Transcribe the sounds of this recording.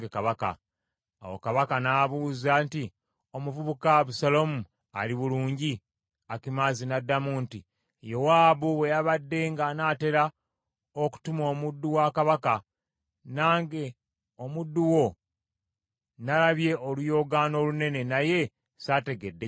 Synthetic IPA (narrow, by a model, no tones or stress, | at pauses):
ɡekaβaka̰ː | wo̰kaβakanaβuːzaːnti | o̞muvuβukaβusalomu | a̰liβuluːɲɟi | akimaːzinadːamuːnti | jo̞waːβuwe̞jaβadːe̞ːŋɡanaːte̞ɾa | oku̥tumoːmudːuwakaβaka | naːŋɡe̞ | omudːuwo̞ | nalaβje̞ʔolujo̞ɡaːno̞ːlune̞ne̞naje̞ | sate̞ɡedːe